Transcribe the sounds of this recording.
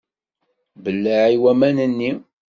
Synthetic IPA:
bəlːəʕiwæmænənːi

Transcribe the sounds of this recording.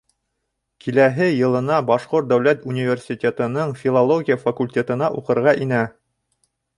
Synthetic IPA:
kʰilæɦɘjɤ̆lˠɤ̆nɑbɑʃqoɾt̪̚d̪æwlæt̪unʲivʲersʲitʲet̪ɤ̆nɤɴfʲilˠolˠoɡʲijəfɐkulʲtʲet̪ɤ̆nɑʔuqɤ̆ɾʁɑʔinæ

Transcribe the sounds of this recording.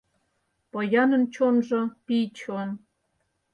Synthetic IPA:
pojɑnə̆nt͡ɕonʒɤ̆pit͡ɕon

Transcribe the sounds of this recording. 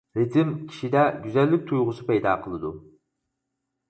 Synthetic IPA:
ɾet̪ʰɪmkʲʰi̥ʃid̪ɛɡʲyzɛlːɪk̚ʲt̪ʰujʁʊsɨpɛjd̪ɑ̰ːqʰəlˠɨd̪ṵ

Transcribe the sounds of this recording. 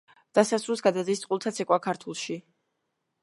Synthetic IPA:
d̪̥asasɾusɡad̪ad̪ist̪sʼqʼulˠt̪ʰat̪sʰɛkʼwakʰaɾt̪ʰulˠʃi

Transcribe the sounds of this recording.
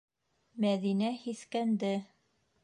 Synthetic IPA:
mæðinæhiθkænd̪ɘ

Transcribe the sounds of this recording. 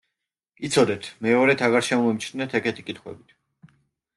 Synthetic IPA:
it̪sʰɔd̪ɛt̪ʰmɛɔɾɛt̪ʰaʁaɾʃɛmɔmɛmt͡ʃʰnnɛt̪ʰɛkɛt̪ʰi̥kʼit̪ʰχwɛ̰bit̪ʰ

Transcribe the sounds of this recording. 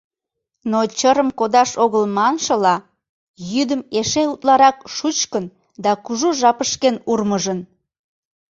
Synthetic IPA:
not͡ɕəɾəmkod̪ɑʃoɣəlmɑnʃəlɑ | jyd̪əmeʃeut̪lɑɾɑkʃut͡ɕkən | d̪ɑkuʒuʒɑpəʃkenurməʒən

